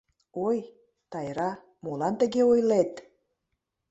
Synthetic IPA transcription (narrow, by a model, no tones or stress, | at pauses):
oj | t̪ɑjɾɑ | molɑnt̪ə̆ɣeojlet̪